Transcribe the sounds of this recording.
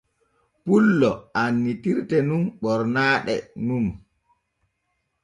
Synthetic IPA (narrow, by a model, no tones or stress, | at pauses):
pulːɔʔanːitiɾtɛnunɓɔɾnaːɗɛ̰num